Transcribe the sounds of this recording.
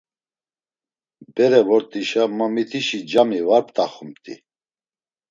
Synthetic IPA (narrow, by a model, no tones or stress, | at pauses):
bɛɾɛvɔɾt̪ʼiʃaməmit̪ʰiʃid͡ʒamivaɾp̚ʼt̪ʼaχumt̪ʼḭ